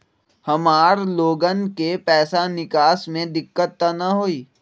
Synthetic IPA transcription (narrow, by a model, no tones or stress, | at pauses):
hɐmaːɾloːɡənkepɛːsanɪkaːsmẽd̪ɪkːət̪ːanɐɦoːiː